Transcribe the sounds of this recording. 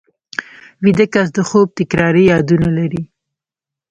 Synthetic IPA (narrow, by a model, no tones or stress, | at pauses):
wid̪əkas̬d̪əxob̚t̪ɪkɾɑɾijɑd̪unalaɾi